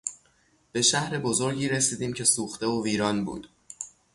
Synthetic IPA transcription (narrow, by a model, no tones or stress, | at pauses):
b̥e̞ʃæhɾe̞bo̞zoɾɟiːɾesiːd̪iːmcʰe̞suːxt̪e̞oviːɾɒːnbṵːd̪̥